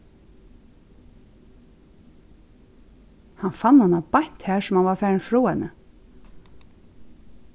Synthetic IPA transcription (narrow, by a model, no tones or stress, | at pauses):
hanfanːhanːapajn̥t̪hæːɹsʊmhanvaɾfæːɾnfɾuːhɛnːə